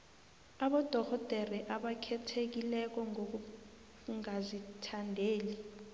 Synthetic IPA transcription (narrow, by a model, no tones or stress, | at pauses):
aɓɔd̥ʱɔxɔd̥ʱɛrɛʔaɓakʰɛtʰek̬ilɛk̬ɔŋok̬u | ŋazitʰandʱeːli